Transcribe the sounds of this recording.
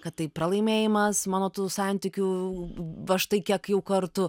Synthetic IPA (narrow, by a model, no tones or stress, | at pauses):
kɐt̪tɐɪpɾɐlˠɐɪmʲeːjɪmɐsmɑːnoːt̪uːsɑnʲt̪ʲɪkʲuː | ɐʃt̪ɐɪkʲiɛkjɛʊkɐɾt̪ʊ